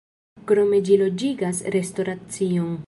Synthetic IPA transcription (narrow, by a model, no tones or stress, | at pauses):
kɾo̞med͡ʒilo̞d͡ʒiɡasɾe̞sto̞ɾat͡sioŋ